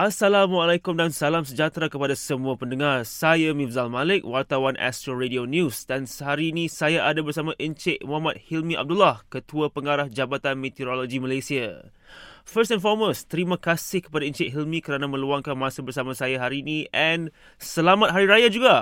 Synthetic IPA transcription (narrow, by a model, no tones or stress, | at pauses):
ʔasalamwalajkʊmdansalamsəd͡ʒat̪ɾakəpadasəmuapəndəŋarsajamĩfzalmalɪk̚wart̪awanʔɛ̰st̪ɾoɾedionjusdansəɦaɾiːnĩsajaʔadabərsamãʔənt͡ʃeʔ̚mɔɦamat̪̚hilmĩʔa̰b̚dulahkət̪uapəŋaɾahd͡ʒabat̪anmet̪iɾoloɡiməlajsia | fəs̬tɛnfɔməst̪əɾimãkasɪhkə̥padaint͡ʃɪʔɦilmĩkəɾanamə̃luaŋkanmãsabərsamasajaɦaɾiːnĩʔɛn | səlamat̪̚ɦaɾiɾajad͡ʒuɡa